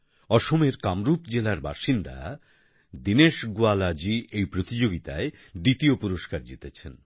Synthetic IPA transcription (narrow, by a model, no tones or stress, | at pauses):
ɔʃomeɾkamɾupd͡ʑelaɾba̰ʃind̪a̰ | d̪ineʃɡualad͡ʑiʔejpɾot̪id͡ʑoɡit̪a̰e | d̪it̪iopuɾoʃkaɾd͡ʑet̪et͡ɕʰen